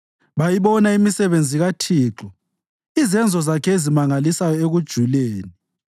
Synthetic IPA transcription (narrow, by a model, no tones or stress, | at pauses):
βajiβɔnaimisɛβend͡zʱiɣatʰiːǁɔ | izɛnd͡zʱɔzakʰɛezimaŋalisajɔeɣud̥ʒ̥ʱuleːni